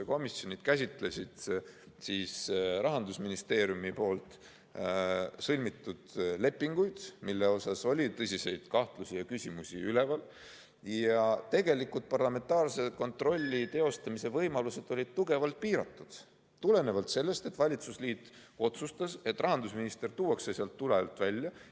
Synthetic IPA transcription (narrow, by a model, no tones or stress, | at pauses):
ko̞misːjo̞nid̪̥kæs̬ʲit̪ˑle̞sʲid̪̥ | siːsɾʔɑɦɑnd̪usminist̪e̞ːɾjumipo̞ːlt̪ˑ | sɤlʲmit̪ːud̪̥le̞pːˑiŋɡ̥ujd̪̥milːe̞o̞sɑso̞lʲit̪ɤsʲise̞jd̪̥kɑht̪lusʲijɑkysʲimusʲḭyle̞vɑl | jɑt̪e̞ɡe̞likult̪̚pɑrlɑme̞nt̪ˑɑːrse̞ko̞nt̪ro̞lʲːit̪e̞o̞st̪ɑmise̞vɤjmɑluse̞d̪̥o̞lʲid̪̥̚t̪uɡe̞vɑlt̪̚piːɾɑt̪ːˑud̪̥ | t̪ule̞ne̞vɑlt̪se̞lːe̞st̪e̞t̪ːvɑlʲit̪susliːt̪ˑːo̞t̪sust̪ɑse̞t̪ːˑrʔɑɦɑnd̪usminist̪e̞rt̪uːwɑkseseɑlt̪ːuleɑlt̪ːˑvælʲjɑ